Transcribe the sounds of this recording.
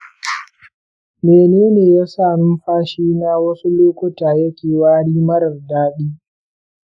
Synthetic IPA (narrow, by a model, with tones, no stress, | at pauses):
meː˨neː˦neː˨jaː˦saː˦˨nʊ˦mɸaː˦ʃiː˦naː˦wɐ˦su˦loː˦kʷʊ˦taː˨jɐ˦kʲeː˨waː˦ɽiː˦mɐ˦ɽɐ˨rdaː˦ɗiː˦